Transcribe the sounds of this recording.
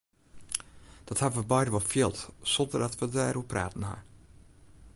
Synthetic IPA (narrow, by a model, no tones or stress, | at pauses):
d̥ɔthabənʋəbɛjdəʋɔlˠfiəlˠtsɔndərdɑtʋədaɾupra̰ːtən̩ha̰